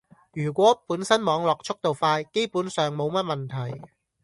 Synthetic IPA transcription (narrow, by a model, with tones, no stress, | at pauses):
jyː˨˩kʷɔː˨˥puː˨˥nsɐ˥nmɔː˨˧ŋlɔː˨k̚t͡ʃt͡sʰʊ˥k̚t̪o˨wfaː˧jke˥jpuː˨˥nsœː˨ŋmo˨˧wmɐ˥t̚mɐ˨nt̪ʰɐ˨˩j